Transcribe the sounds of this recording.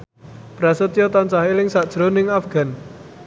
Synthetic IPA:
b̥ɾasət̪jɔt̪ant͡ʃaɦilɪŋsaʔd̥ʒ̥ɾonɪŋafɡ̥a̤n

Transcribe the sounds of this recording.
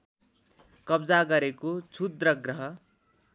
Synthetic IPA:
kʌbd͡zaɡʌɾekot͡sʰud̪ɾʌɡɾʌɦʌ

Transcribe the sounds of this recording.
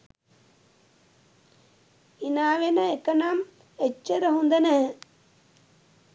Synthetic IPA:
inaːʋenɐekːɐnaːm | et͡ʃːɐɾɐɦund̪ɐnɐ

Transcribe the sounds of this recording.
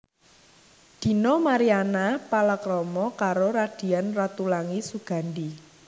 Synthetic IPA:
d̪̥i̤nɔmaɾianapalakɾɔmɔkaɾoɾad̪̥i̤anrat̪ulaŋisuɡ̥ä̤nd̪i

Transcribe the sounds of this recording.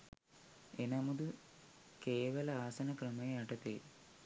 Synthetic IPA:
enɐmɐd̪u | keːʋɐlɐaːsɐnɐkɾɐmɐɐʈɐt̪e

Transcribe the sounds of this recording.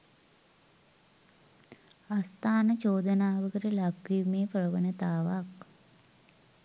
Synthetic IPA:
ast̪aːnət͡ʃoːd̪ənaːʋəkəɾəlakʋimeːpɾəʋənət̪aːʋak

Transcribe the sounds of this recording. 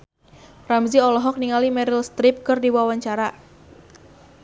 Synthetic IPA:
ramziɔlɔɦɔk̚niŋalimɛɾilst̪ɾɪp̚kɨrdiwawaɲt͡ʃaɾa

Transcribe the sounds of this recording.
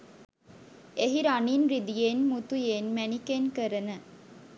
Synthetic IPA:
eɦiɾaniːnɾid̪ijenmut̪ujenmænikenkəɾənə

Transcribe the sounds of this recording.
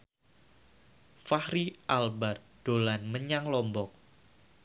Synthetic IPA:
fahɾiʔalbard̥olanməɲaŋlɔmbɔk̚

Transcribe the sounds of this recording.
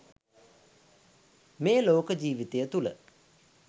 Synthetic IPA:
meːloːkəd͡ʑiːʋit̪ejət̪ulə̰

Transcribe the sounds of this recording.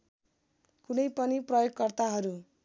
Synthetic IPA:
kunʌjpʌniprʌjoɡkʌrt̪aɦʌɾu

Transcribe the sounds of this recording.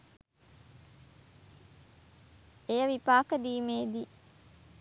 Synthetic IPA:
ejəʋipaːkəd̪iːmeːd̪i

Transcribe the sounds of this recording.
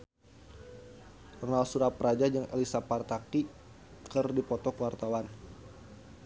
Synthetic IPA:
ɔrnalsuɾapɾad͡ʒad͡ʒəŋḛlisapart̪aki | kərdipɔt̪ɔkwart̪awan

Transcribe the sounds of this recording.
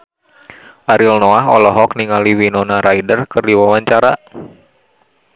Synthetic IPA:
ʔaɾilnɔaɦɔ̰lɔɦɔkniŋaliwinɔnaɾʔaidərkɨrdiwawaɲt͡ʃaɾa

